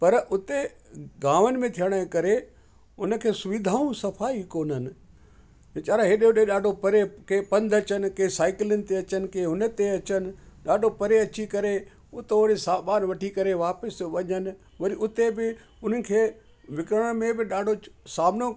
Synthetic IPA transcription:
pɐɾʔʊt̪e | ɡaːʋənɪ̆mẽt̪ʰijəɽ̃ə̃kɐɾe | ʊnəkʰeːsʊʋɪd̪ʱaːũsɐfʰaːikoːnənɪ̆̃ | t͡ʃaːɾaɦɪɗeʊɗeɗaːɖʱopɐɾekeːpɐ̃nd̪ʱɐt͡ɕənɪ̆keːsaːɪkɪlənɪ̆t̪eɐt͡ɕənɪ̆kẽːɦʊnət̪eɐt͡ɕənɪ̆ɗaːɖʱopɐɾeɐt͡ɕikɐɾe | ʊt̪oɽisaːɓaːnʋɐʈʰikɐɾeʋaːpəsʋɐɲənɪ̆ | ʋɐɾiʊt̪ebɪ | ʊn̤ənɪ̆kʰeː | ʋɪkɾəəɽ̃mẽbɪɗaːɖʱosaːmno

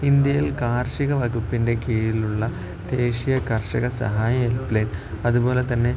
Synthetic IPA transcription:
ind̪jɐjilkaːrʂiɣɐʋɐɣupːinde̞kiːɻiluɭːɐ | d̪̥e̞ːʂijɐkɐrʂɐɣɐsɐ̰ɦaːjɐelpleːn | ɐðubo̞ːle̞t̪ɐnːe̞

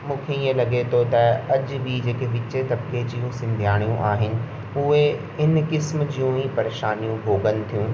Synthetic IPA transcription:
mũːkʰeiɦẽlɐɡet̪ʰot̪ɐɐʄbid͡ʑeːkeʋɪt͡ɕet̪ɐbked͡ʑijũsɪ̃nd̪ʱjaːɽ̃ijũʔaːɦɪnɪ̆ | ʊɦe | ɪnkɪsmd͡ʑijũipɐɾeːʃaːnijũbʱoːɡənɪ̆t̪ʰijũː

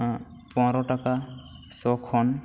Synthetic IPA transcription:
ã | pɔ̃ɾɔʈaka | sɔkʰɔn

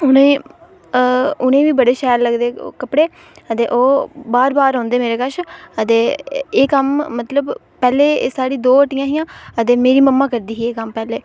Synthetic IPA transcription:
ʊnẽː | ʊnẽːʋiːbəɽeːʃɛːɾləɡd̪ḛːkəpɽeː | ət̪eːʔoːbaːɾbaːɾɔ̃ːnd̪eːmeːɾeːkəʃət̪eːeːkəmːət̪ləb | pɛːleːsaːɽiːd̪oːəʈɪjãːɦijãːət̪eːmeːɾiːməmːãːkəɾd̪iːɦiːeːkəmpɛːleː

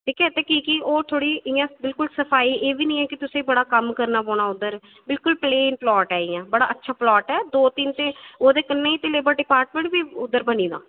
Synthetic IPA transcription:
iːkʰɛt̪eːkiːkioːt̪ʰoːɽiːʔɪjãːbɪlkʊlsəpʰaːiːʔeːʋiːnĩːɛ̃ːkɪt̪ʊsẽːibəɽaːkəmkəɾnaːpõːɽaːʊd̪ːəɾ | bɪlkʊlpleːnplɔːʈɛːɪːãːbəɽaːətːʃʰaːplɔːʈɛːd̪oːt̪int̪ẽːoːd̪eːkənːẽːiːt̪eleːbəɖɪpaːɾʈmẽɳʈbiːʊd̪ːəɾbəniːd̪ã̰ː

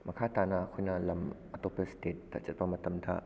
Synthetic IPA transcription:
mɐkʰaːt̪anakʰojnalɐm | ɐt̪opestet̚ːa̰t͡ʃɐt̚pamɐt̪ɐmda̰

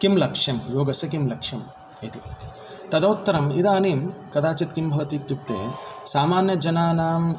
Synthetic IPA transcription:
kimlɐkʂjɐmjoːɡɐsɐk̬imlɐkʂjɐm | it̪i | t̪ɐd̪ɐwt̪ːɐɾɐmid̪aːniːmkɐd̪aːt͡ʃit̪kimbʱɐʋɐt̪iːt̪juk̚t̪ḛːsaːmaːnjɐd͡ʒɐnaːnaːm

